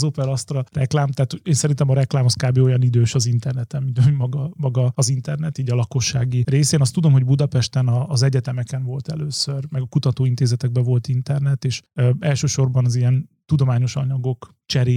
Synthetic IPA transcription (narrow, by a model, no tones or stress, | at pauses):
zopɛɾɒst̪rɒrɛklaːmt̪aːt̪hoeːnsɛɾint̪ɛmɒɾɛklaːmhoskaːbeːo̞jɒnid̪øːʃɒzint̪ɛrnɛt̪ɛmːint̪mɒɡɒmɒɡɒːzint̪ɛrnɛt̪iːɟɒlɒko̞ʃːaːɡireːseːnɒst̪ud̪o̞mɦo̞ɟbud̪ɒpɛʃt̪ɛnɒːzɛɟɛt̪ɛmɛkɛnvo̞lt̪ɛ̰løːsørmɛɡɒkut̪ɒt̪oːint̪eːzɛt̪ɛɡ̚bɛvo̞lt̪int̪ɛrnɛt̪eːʃɛlʃøːʃo̞rbɒnɒzijɛnt̪ud̪o̞maːɲo̞ʃɒ̰ɲɒɡo̞k | t͡ʃɛɾeː